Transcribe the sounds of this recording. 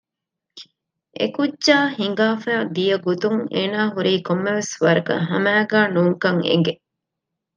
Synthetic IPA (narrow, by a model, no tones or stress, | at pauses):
ʔḛkudʒaːhiŋ̆ɡaːfæːd̪ijɐɡot̪uŋeːnaːɦuɾiːkomːeʋesʋɐɾɐkɐ̰ɦɐmæːɡæːnuːŋkɐŋḛŋɡe